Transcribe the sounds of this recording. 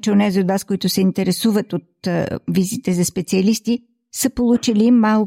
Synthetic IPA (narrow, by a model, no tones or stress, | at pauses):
t͡ʃɛonɛziod̪vaskoit̪ʊsɛint̪ɛɾɛsuvət̪ot̪vizit̪ɛzɐspɛt̪siɐlist̪i | səpolˠut͡ʃilimːalˠ